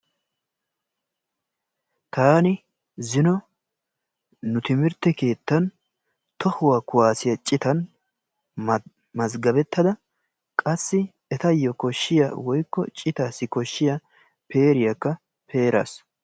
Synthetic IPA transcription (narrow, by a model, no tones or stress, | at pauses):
t̪aːnɪ | zɪnɔ | nʊt̪ɪmɪɾt̪ːɛke̞ːt̪ːɐn | t̪ɔhʊwaːkʊwaːsɪjɐt͡ʃʼːɪt̪ɐn | mɐzɡɐbɛt̪ːɐd̪ɐ | kʼɐsːɪ | ɛt̪ɐjɔkɔʃːɪja̰wɔjkːɔ̰t͡ʃʼɪt̪aːsːɪkɔʃːɪjɐ | peːɾɪjɐkːɐ | pʰe̞ːɾa̰s